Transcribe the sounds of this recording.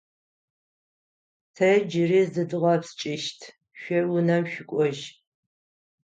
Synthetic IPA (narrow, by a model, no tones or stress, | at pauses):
tʰɐd͡ʒɪriːzɨdɨʁɐpst͡ʃʼɪʃtʰ | ʃʷɐwʊnɐmʃɪkʷʼɔʒ